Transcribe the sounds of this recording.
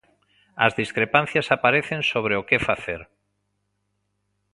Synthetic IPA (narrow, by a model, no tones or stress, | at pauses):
azðiskɾepãn̟θjasapaɾeθẽnsoβ̞ɾeokefaθeɾ